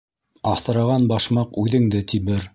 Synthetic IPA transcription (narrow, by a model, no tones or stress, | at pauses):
ɑfθɤ̆ɾɑʁɑnbɑʃmɑqʉðɘ̆ŋd̪ɘt̪ʰiβɘɾ